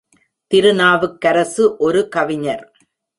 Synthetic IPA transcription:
t̪ɪɾɯnaːʋɯkːɐɾɐsɯʔɔɾɯkɐʋɪɲɐɾ

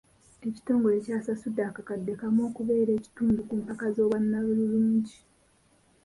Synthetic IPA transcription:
e̞ci̥to̞ːŋɡo̞ɾe̞caːsasudːaːkakadːe̞kamo̞ːkuβe̞ːɾe̞ːci̥tuːndukuːmpakazo̞ːβwanːaβululuːɲɟi

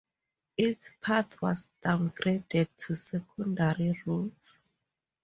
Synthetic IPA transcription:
itspʰaθwɔ̰sd̥ãwnɡredɛd̚tʰusɛkʰɔ̃ndaɹiɹuls

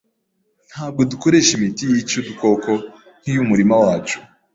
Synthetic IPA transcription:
n̥haːb̚ɡo̞duko̞ɾe̞ːʃimitijit͡ʃoduko̞ko̞ | n̥hijumuɾimawaːt͡ʃu̥

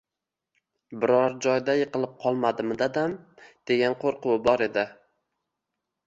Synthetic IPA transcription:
bɪɾɒɾd͡ʒɒjd̪ajɨqɨlˠɪp̚qʰɒlˠmad̪ɪmd̪ad̪amd̪̥e̞ɡʲanqʰoɾqʊwbɒɾe̞d̪ɪ

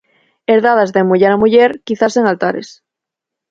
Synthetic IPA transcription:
eɾðaðazðemuʝaɾamuʝeɾkiθase̞ŋalt̪aɾḛs

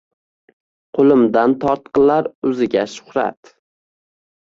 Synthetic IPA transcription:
qʰolˠɪmd̪ant̪ʰɒɾt̪̚qɨlaɾɵzɪɡʲaʃʊ̥hɾa̰t̪

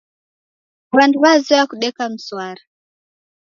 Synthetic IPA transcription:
wanduwazɔwakuɗɛkam̩swaɾa

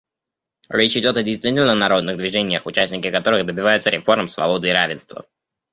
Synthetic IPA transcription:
ɾʲet͡ɕɪdʲo̞t̪ɐdʲɪjst̪vʲitʲɪlʲnənɐɾo̞d̪nɨɣd̪vʲɪʐɛnʲɪjəxʊt͡ɕæsʲnʲɪkʲɪkɐt̪o̞ɾɨɣd̪əbʲɪvajʊt̪səɾʲɪfo̞rməmsvɐ̰bo̞d̪ɨiɾavʲɪnst̪və̰

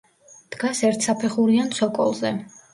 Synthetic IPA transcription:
d̪̥ɡasɛɾt̪ʰsapʰɛχuɾiant̪sʰɔkʼɔ̰lˠzɛ

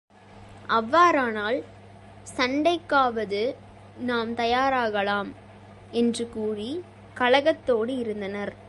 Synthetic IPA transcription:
ʔɐʋːaːɾaːnaːl | sɐɳɖɐɪkːaːʋɐðɯ | naːmt̪ɐjaːɾaːɣɐɭaːm | ɛndrɯkuːri | kɐɭɐɣɐt̪ːoːɽɯɪɾɯnd̪ɐnɐɾ

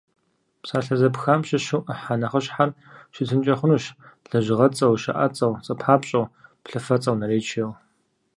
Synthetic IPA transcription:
psaːɬɐzɐpxaːmɕɪɕɪwʔəħanɐχɐɕħar | ʃɪtʰɨnt͡ʃʼɐχʷʊnuːɕɮ̥ɐʒɪʁɐt͡sʼɐwʃɐ̰ʔɐt͡sʼɐwt͡sʼɐpʰaːpɕʼɐwpɬɨfɐt͡sʼɐwnɐɾeːt͡ʃʰew

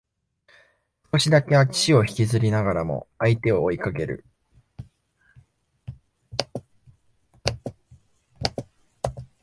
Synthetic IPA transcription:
sko̞ɕid̪ake̞βai̥t͡ɕio̞çi̥kʲizɨɾʲinaɡaɾamo̞̰ait̪e̞o̞ːikaɡe̞ɾɯ̟̰

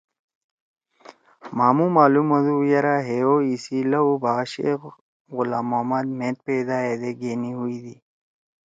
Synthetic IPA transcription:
maːmumaːlumɐd̪ujɐɾaɦeoisilɐubaːɕḛ | ɣʊlaːmaːmad̪̚mẽːt̪̚ped̪aed̪eɡeːniɦuid̪i

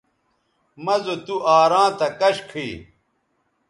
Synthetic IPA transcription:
mɐzot̪uʔaːɾãːt̪ɐkɐɕkʰi

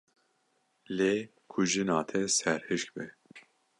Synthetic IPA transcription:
leː | kʰuʒɨnɑːt̪ʰɛsɛɾhɨʃk̚bɛ

